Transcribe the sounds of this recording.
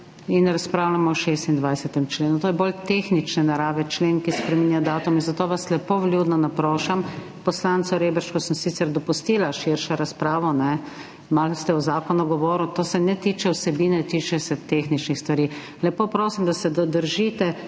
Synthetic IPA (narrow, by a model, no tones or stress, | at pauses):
inɾaspɾaːwlamɔɔʃest̪ind̪ʋajsɛt̪ɛmt͡ʃleːnut̪oːjɛbolt̪exnit͡ʃnɛnaɾaːʋɛt͡ʃleːnkispɾɛmiːnjad̪aːt̪uminzat̪oːʋaslɛpoʋljuːd̪nɔnapɾoːʃam | pɔslant̪sɔɾeːbəɾʃkɔsəmsit̪sɛɾd̪ɔpust̪iːlaʃiɾʃɔɾaspɾaːʋɔnɛ | malst̪ɛɔzaːkɔnuɡɔʋoːɾut̪oːsɛnɛt̪iːt͡ʃɛwsɛbiːnɛt̪iːt͡ʃɛsɛt̪exnit͡ʃnixst̪ʋaɾiː | lɛpoːpɾoːsimd̪asɛd̪ɔd̪əɾʒiːt̪ɛ